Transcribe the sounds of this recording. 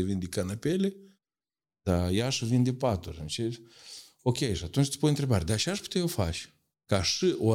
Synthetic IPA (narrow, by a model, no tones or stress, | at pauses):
evind̪ekanapele | d̪ajaʃɨvind̪ʲepat̪uɾɨnt͡ʃe | okʲejʃɨat̪unt͡ʃt̪ʲi̥punʲɨnt̪ɾebaɾʲed̪aʃaʃpu̥t̪ejofa̰t͡ʃʲ | kaʃɨʔo